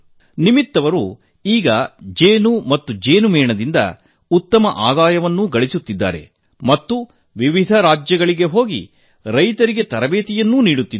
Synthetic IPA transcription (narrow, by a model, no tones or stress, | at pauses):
nimit̪ːɐʋɐɾu | iːɡɐd͡ʒeːnumɐt̪ːud͡ʒeːnumɛːɳɐd̪ind̪ɐ̰ | ut̪ːɐmɐʔaːd̪aːjɐʋɐnːuɡɐɭisut̪ːid̪ːa̰ːɾe̞̰ | mɐt̪ːu | ʋiʋid̪ʱɐɾaːd͡ʒjɐɡɐɭiɡe̞ɦoːɡḭ | ɾɐjt̪ɐɾiɡe̞t̪ɐɾɐbeːt̪ijɐnːuːniːɽut̪ːi